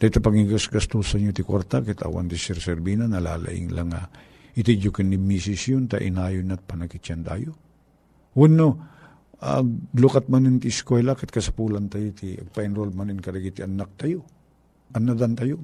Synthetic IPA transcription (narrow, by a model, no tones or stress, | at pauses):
t̪at̪apaɡiɡasɡast̪usaɲjot̪ɪkwa̰ɾt̪akɛt̪a̰wa̰nt̪ɪsɛɾsɛɾbinanɐla̰ːla̰ʔɪ̰ŋlaŋa | ɪt̪id͡ʒokɪnɪmisɪsjont̪aʔɪ̰naːjonat̪̚pɐnakɪt͡ʃant̪a̰jo | wʊno | aɡlukat̪̚manɪnt̪ɪɪskwɛlakɛt̪̚kɐsḁpuːlant̪ajot̪iʔɐ̰ɡ̚paʔɪnɾolmanɪnkɐɾaɡit̪iɐnːak̚t̪ajo | ʔɐnːad̪ant̪ajo